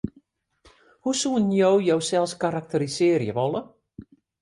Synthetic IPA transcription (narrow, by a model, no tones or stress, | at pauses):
husuənjowjowsɛlˠskaɾak̚təɾisɪːəɾjəʋɔlˠə